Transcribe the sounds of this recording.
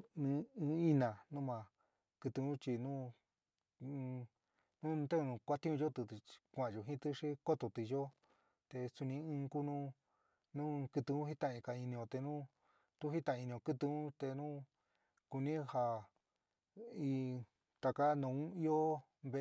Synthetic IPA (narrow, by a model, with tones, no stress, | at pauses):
nɨ̃˧ɨ̃˧i˦nã˨nũ˦mã˨ | kɨ˧t̪ɨ˧ũ˦t͡ʃi˧nũ˦˧ | nũ˦˧t̪e˦˧nũ˧kʷa˦t̪ĩ˦ũ˧ʒo˦t̪ɨ˧kʷã˨ʒo˨ɦĩ˦t̪ɨ˦ʂi˦ko˦t̪o˨t̪i˧ʒo˦ | t̪e˧su˧nĩ˧ɨ̃ː˧ku˦nũ˦ | nũ˦˧kɨ˧t̪ɨ˧ũ˦i˦t̪ã˧ĩ˧ka˨i˧nĩ˧õ˧t̪e˧nũ˦ | t̪u˦ɦi˦t̪ã˧˨˧i˧nĩ˧õ˧˨kɨ˦t̪ɨ˧ũ˦t̪e˧nũ˦ | ku˧nĩ˦ha˧ | i˧ | t̪a˧ka˦nũ˧ũ˦i˦o˦ | βe˧